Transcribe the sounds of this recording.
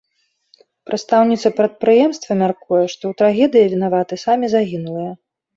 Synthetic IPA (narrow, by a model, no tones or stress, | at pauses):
pɾʔɐt̪st̪awnʲit̪sɐpɾɐt̪̚pɾɨjɛmst̪vɐmʲarkujɛʂt̪ɔwt̪ɾaɣʲɛd̪ɨjɐvʲinavat̪ɨsamʲizaɣʲinulˠɨjɐ